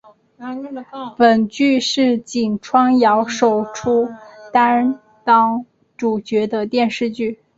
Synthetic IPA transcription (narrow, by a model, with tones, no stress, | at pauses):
pə˨˩nt͡ɕy˥˧ʂɻ̩˥˩t͡ɕi˨˩ŋʈ͡ʂʰwɑ˥ŋjɑ˧˥ʊʂo˨˩ʊʈ͡ʂʰu˥t̪a˥n | t̪ɑ˥ŋ | ʈ͡ʂu˨˩t͡ɕɥɛ˧˥d̪ə˧t̪jɛ˥˧nʂɻ̩˥˧t͡ɕy˥˩